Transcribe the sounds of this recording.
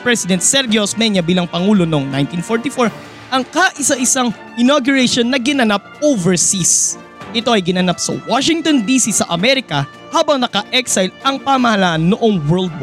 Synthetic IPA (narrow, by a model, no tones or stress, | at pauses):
pɹɛsɪd̪ɛnt̪̚sɛɾɡɛosmɛɲɐbiːlɐŋpɐŋuːlo̞noŋnajnt̪infoɹt̪ifoɹ | ʔɐŋkaʔɪsɐʔɪsaŋ | ʔɪnoɡjʊɹɛʃonːɐɡɪnɐnap̚ovɛɹsis | ʔɪt̪o̞ʔɐjɡɪnɐnap̚sɐ̰waʃɪŋt̪ond̪iːsisɐʔɐmɛɾɪkɐ | haːbɐŋnɐkɐʔɛksɐjlʔɐŋpamɐhɐlaʔɐnːoʔoŋwɛɹld̪̚wo